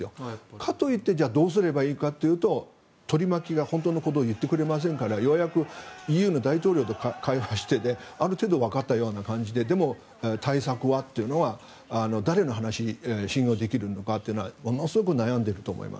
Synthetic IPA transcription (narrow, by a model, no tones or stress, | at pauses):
jokʰat̪o̞it̪ːe̞d͡ʑaːd̪o̞ːs̬ɨɾe̞baiːkat̪ːe̞jɯ̟ːt̪o̞ | t̪o̞ɾʲimakʲiɡahont̪o̞ːno̞ko̞t̪o̞ːjɯ̟t̪ːe̞kɯ̟ɾe̞mas̬ẽ̞ŋkaɾajoβjakɯ̟ijɯ̟ːno̞d̪ait̪o̞ːɾʲo̞ːt̪o̞kkʰaiβaɕi̥t̪e̞d̪e̞aɾɯ̟t̪e̞ːd̪o̞βakat̪ːajo̞ːnakãɲ̟d͡ʑid̪e̞d̪e̞mo̞ | t̪ʰaisakɯ̟βat̪ːe̞jɯ̟no̞βaː | no̞d̪aɾe̞no̞ɦanaɕiɕĩɰ̃jo̞ːd̪e̞kʲiɾɯ̟no̞kat̪ːeiɯ̟noa̰mo̞nosɨɡo̞kɯ̟najãnd̪eɾɯ̟t̪o̞ːmo̰ḭma̰s